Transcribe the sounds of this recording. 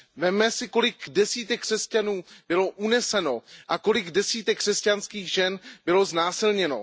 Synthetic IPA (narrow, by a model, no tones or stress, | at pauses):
vɛmːɛsɪko̞lɪkdɛsiːt̪ɛkːr̥ɛscanuːb̥ɪlo̞ʔunɛsɛno̞ʔako̞lɪɡdɛsiːt̪ɛkːr̥ɛscanskiːɣʒɛnbɪlo̞znaːsɪlɲɛno̞̰